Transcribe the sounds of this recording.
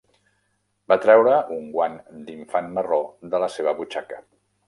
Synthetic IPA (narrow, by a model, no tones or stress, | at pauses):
bat̪ɾɛwɾəʔuŋɡwand̪iɱfanməroðələseβ̞əβut͡ʃakə